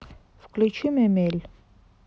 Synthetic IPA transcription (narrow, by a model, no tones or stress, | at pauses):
fklʲut͡ʃʰimɛmɛlʲ